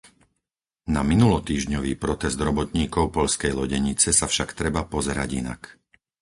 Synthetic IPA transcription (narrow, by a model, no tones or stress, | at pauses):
naminulɔt̪iːʒɲɔʋiːpɾɔt̪ɛzd̪ɾɔbɔt̪ɲiːkɔʊpɔʎskɛjlɔɟɛɲit͡sɛsafʃakt̪ɾɛbapɔzɛɾa̰ɟḭna̰k